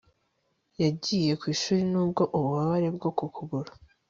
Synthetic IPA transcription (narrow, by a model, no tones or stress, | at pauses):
jaɟiːje̞kwiːʃuːɾinuːbɡo̞ʔuβuβaβaɾe̞bɡo̞kukuɡuɾḁ